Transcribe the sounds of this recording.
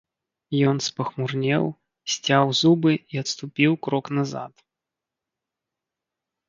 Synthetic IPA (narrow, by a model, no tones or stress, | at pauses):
jɔnspɐxmurnʲɛ̰w | sʲt͡sʲawzubɨiɐt̪st̪upʲiwkɾɔknɐza̰t̪